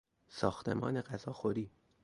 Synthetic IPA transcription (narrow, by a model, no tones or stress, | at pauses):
sɒ̰ːxt̪ʰe̞̰mɒ̰ːne̞ɢæzɒːxoɾiː